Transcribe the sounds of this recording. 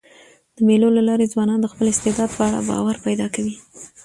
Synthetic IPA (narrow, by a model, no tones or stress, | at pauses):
d̪̥əmelolalɑɾed͡zwɑnɑnd̪əxpəlɪst̪ɪd̪ɑd̪̚pəaɽa̰bɑ̰waɾpajd̪ɑkawi